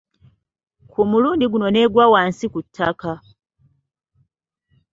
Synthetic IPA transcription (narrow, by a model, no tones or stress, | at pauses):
kʰumuluːndiɡuno̞ne̞ːɡwawaːnsikutʰːaka